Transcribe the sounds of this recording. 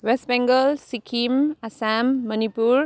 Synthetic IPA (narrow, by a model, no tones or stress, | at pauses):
wesʈbɛŋɡəlsikʰimasamːʌnipuɾ